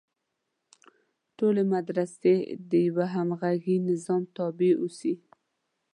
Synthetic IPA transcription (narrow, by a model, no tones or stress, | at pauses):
ʈolemad̪ɾased̪əjawaɦamɣaɡinɪzɑmt̪ɑbeusi